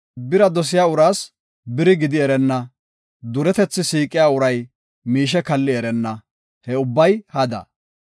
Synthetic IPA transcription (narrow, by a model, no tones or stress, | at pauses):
bɪɾɐd̪ɔs̬ɪjaːʊɾaːs | bɪɾɪɡɪd̪ɪɛɾɛnːɐ | d̪ʊɾɛt̪ɛt͡sːɪsiːkʼɪjaːʊɾɐj | miːʃ̬ɛkɐlːɪɛɾɛnːɐ | hɛʊbːɐjhɐd̪ɐ̰